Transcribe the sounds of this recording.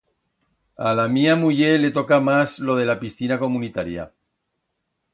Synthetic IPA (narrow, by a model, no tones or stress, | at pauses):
alamiamuʎele̞t̪o̞kamazlo̞ð̞e̞lapisθinako̞munit̪aɾja̰